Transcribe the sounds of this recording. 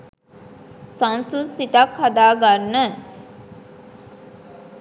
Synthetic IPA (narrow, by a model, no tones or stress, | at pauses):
sãnsusit̪akhad̪aːɡanːə